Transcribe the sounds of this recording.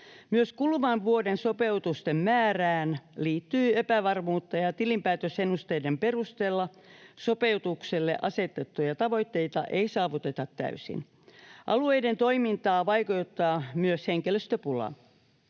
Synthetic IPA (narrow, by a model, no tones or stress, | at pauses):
myøskulʋɑnʋuodensopeut̪ust̪emmæːræːnliːt̪ːyːepæʋɑrmuːt̪ːɑjɑt̪ilimpæːt̪øsenːust̪eijdemperust̪eːlːɑ | sopeut̪ukselːḛʔɑset̪et̪ːujɑt̪ɑʋo̞it̪ːeit̪ɑ̰ʔeisɑːʋut̪et̪ɑt̪tæ̰ysḭn | ʔɑlueident̪o̞imint̪ɑːʋɑikuut̪ːɑːmyøsheŋkeløst̪øpulɑ̰